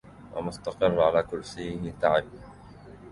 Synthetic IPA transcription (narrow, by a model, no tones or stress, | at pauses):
wa̰mʊst̪ɑqɨrːʕalaːkʊlsɪːhɪt̪aʕɪb